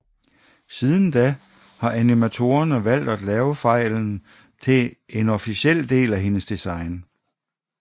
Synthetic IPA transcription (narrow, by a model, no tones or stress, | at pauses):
siːð̞ˠn̩d̥æ | hɑ̈ʔænimæt͡sʰo̝ːɐnəʋæl̰d̥æd̥lɛːʊəfɑ̈ɪ̰ln̩ | t͡sʰe̝enɒ̽fiɕel̰d̥e̝̰ːlæɦe̝nəsd̥isɑ̈ɪn